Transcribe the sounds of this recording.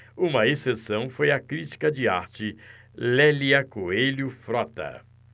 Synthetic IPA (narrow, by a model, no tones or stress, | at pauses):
ũmɐesesɐ̃w̃fojɐkɾit͡ʃi̥kɐd͡ʒɪaɾt͡ʃɪ | lɛliɐkoelʊfɾɔt̪ɐ̰